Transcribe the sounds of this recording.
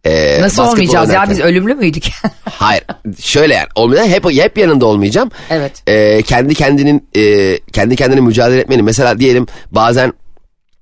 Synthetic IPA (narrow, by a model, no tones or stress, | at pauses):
ɛ̰ːnasˠolˠmijd͡ʒazjaːbizø̞lʲymlʲymyjd̪ychajiɾ̥ʃø̞jlʲeja̰no̞lˠmajd̪anɦɛpɛpjanɯnd̪ao̞lˠmɯjad͡ʒaːmɛvɛt̪ɛːcʰɛnd̪icʰɛnd̪ininɛcʰɛnd̪icʰɛnd̪inimyd͡ʒaːd̪elʲeɛt̪me̞nʲimes̬e̞lʲaːd̪ije̞lʲimbaːzæn